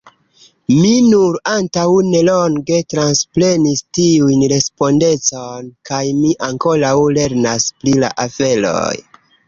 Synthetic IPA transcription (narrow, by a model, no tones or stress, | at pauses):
minuɾantawne̞lo̞nɡe̞tɾansple̞nistiujnɾe̞spo̞nde̞t͡so̞nkajmiʔaŋko̞ɾawle̞ɾnasplila̰ʔafe̞lo̞̰j